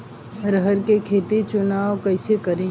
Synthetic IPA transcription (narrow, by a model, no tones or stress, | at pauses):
ɾəɦəɾkekʰeːt̪et͡ʃʊnaːʋkɐɪsekəɾẽː